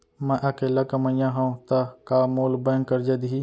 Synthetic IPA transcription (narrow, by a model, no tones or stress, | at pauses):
mɐ̃ʔɐkelakɐmɐjãɦɐ̃t̪akamoːlbɐŋkɐɾd͡ʒɐd̪ɦi